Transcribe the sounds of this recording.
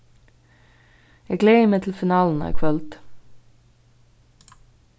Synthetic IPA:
jæɡleɪəmeːt̪ʰlɪlfɪnɑːln̩ɑ̰kʰʋœlt̪

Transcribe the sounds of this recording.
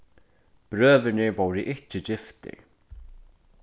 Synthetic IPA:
pɾœːvɪnɪɾvoːwɾɪʔɪhcɪcɪft̪ɪ̰ɹ

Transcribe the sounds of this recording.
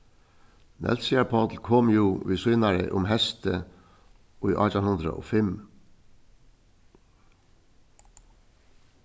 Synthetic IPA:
nʔɛ̰lsɪæpʰɑd̪l̩kʰɔmjuːʋiːsʉnɑɹə̰ʔʊmhɛst̪ʰə | oːiːʔɑ̰t̪ɑnhʉnd̪ɾə̰ʔo̰ːfɛm

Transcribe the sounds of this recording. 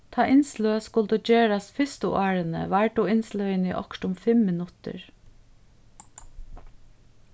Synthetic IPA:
t̪ʰɑːʔɪnsløːskʊld̪ud͡ʒeːɹast̪fɪst̪ə̰ʔɑːɹənə̰ʋæɹɖuːɪnslœɪnḭʔɔ̰kʈʊmfɪmːɪnʊt̪ə̰ɹ

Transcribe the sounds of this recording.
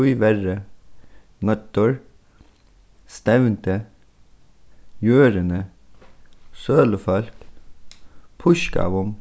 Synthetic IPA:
uʏʋæɹə | mɑt̪ɔɹ | st̪ɛʋnt̪ə | jøːɾənə | søːləfɑlk | pʰʊʃkɑ̰ʋʊm

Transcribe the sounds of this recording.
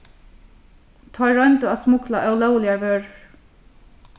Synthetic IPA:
t̪ʰɑɹœnt̪ʊasmʊklaʔœwlœwlɪaɹvøːɹəɹ

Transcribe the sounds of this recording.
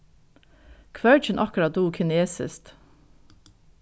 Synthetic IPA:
kʰʋœɹt͡ʃənʔɑkɹɑt̪̚d̪uːkʰɪneːsɪ̰st̪

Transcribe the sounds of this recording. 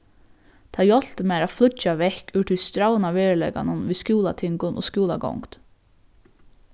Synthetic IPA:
t̪ʰɑːjɔl̥təmeːɾɑːflʏt͡ʃɑʋɛhkʉːʈʰɪst̪ɾaʊənɑːʋeːɹəɭɛ̰ɡɑ̰nənʋiːskuːlɑ̰t̪ʰɪŋɡʊnʔo̰ːskuːlɑ̰ɡɔ̰ŋɡt̪

